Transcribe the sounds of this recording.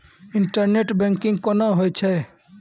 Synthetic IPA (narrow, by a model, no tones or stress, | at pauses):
ɪɳʈəɾneʈbɛ̃ŋkɪ̃ŋɡkɔnaɦojt͡ʃʰɛ